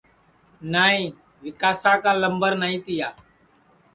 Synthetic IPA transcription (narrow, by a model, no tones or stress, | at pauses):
naːĩː | ʋɪkaːsãːkãːləmbəɾnaːĩːt̪ɪjaː